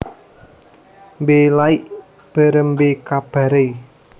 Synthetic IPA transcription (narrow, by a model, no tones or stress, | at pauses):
mbelaiʔ | b̥a̤ɾəmbekab̥a̤ɾe